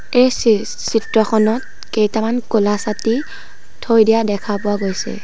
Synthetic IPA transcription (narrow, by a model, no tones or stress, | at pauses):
ej | sitɹɔxʰɔnɔt̚ | kejtamankolasati | tʰojdijadɛkʰapʊaɡojsɛ̰